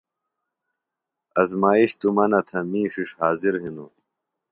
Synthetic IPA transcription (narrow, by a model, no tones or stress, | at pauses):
ɐzmaːiɕt̪umɐnɐt̪ʰɐmĩːɕiʂhaːziɾɦinu